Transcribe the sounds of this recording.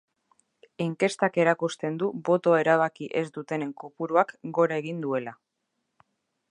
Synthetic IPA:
iŋke̞st̪ake̞ɾakust̪e̞nd̪ubo̞t̪o̞e̞ɾaβ̞akiʔe̞zd̪ut̪e̞ne̞ŋko̞puɾuakɡo̞ɾae̞ɣ̞ind̪ue̞la

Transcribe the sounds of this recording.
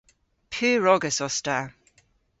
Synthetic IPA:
pʰiːɹɔɡəsɔsta

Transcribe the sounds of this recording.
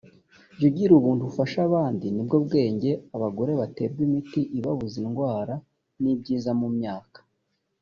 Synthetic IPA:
ɟuɟiɾuβuːntuβufaʃaβaːndinibɡo̞bɡe̞ːɲɟe̞aβaɡo̞ɾe̞βate̞b̚ɡwimitiʔiβaβuzinɡwaːɾa | nib̚ɟiːzamumɲaːkḁ

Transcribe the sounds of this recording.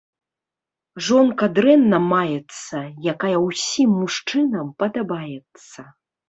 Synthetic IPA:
ʐɔnkɐd̪ɾɛnːɐmajɛt̪sːɐjakajɐwsʲimːuʂt͡ʂɨnɐmpɐd̪abajɛt̪sːɐ

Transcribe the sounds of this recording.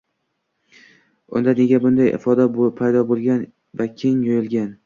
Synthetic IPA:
ʊ̰nd̪ane̞ɡʲabʊnd̪ajʔɪ̰fɒd̪abopʰajd̪ɒbolˠɡʲan | vakʲʰɪŋjɒjɪlˠɡʲan

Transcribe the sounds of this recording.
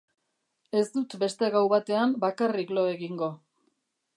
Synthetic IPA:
e̞szd̪ut̪be̞st̪e̞ɣawβat̪e̞ambakariklo̞e̞ɣiŋɡo̞

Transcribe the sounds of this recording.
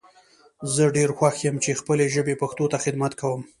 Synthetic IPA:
zəɖeɾxwaxjəmt͡ʃexpəleʒəbepaxt̪ot̪axɪd̪mat̪kawəm

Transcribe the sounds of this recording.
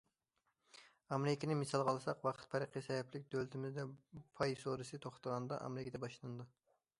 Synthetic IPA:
ɑmeɾɪkʲenɪmisɑlˠʁɑlˠɨsɑqwɑqʰə̥t̪̚pʰɛɾəqʰisɛjɛplɪk̚ʲd̪ølt̪ʰɪmɪzd̪ɛpʰɑjsoɾɨsɨt̪ʰoχt̪ɑʁɑnd̪ɑ̰ʔɑ̰mɪɾɪkʲed̪ɛbɑʃlˠɨnɨd̪u

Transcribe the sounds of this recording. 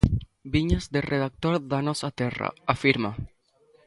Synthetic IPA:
biɲazd̪erʔeð̞ak̚t̪oɾðanosat̪era̰afiɾma

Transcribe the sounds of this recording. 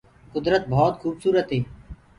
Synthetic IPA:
kʊd̪ɾət̪̚bʱɔːt̪xuːbsuːɾət̪ɦeː

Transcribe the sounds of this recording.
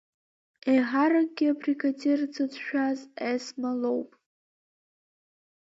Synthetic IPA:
ejɦaɾak̚ʼɡʲiabrikʰatʰert͡sʰɨdʃᶣazesmalowpʼ

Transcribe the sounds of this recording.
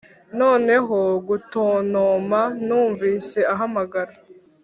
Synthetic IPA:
no̞ːne̞ɦoɡutoːnoːmanuːɱviːse̞aɦamaɡaɾa

